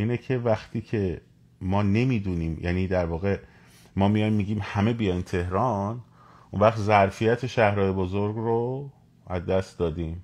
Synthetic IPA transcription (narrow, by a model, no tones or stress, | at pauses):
ʔiːnecʰe̞væxt̪ʰiːcʰe̞ | mɒːne̞miːd̪uːniːmjʔæ̰ːniːd̪æɾvɒːɣe̞ | mɒːmijɒjmmiːɟiːmhæme̞bijɒjnt̪ʰe̞hɾɒːn | ʔunvæχt̪zæɾfijæt̪ʰe̞ʃæhɾɒːjebozoɾɡro | æzd̪æst̪d̪ɒːd̪iːm